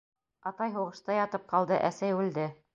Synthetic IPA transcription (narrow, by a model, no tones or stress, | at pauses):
ɑt̪ɑjɦuʁɤ̆ʃt̪ɑjɑt̪ɤp̚qɑlˠd̪ɤʔæsæjʉld̪ɘ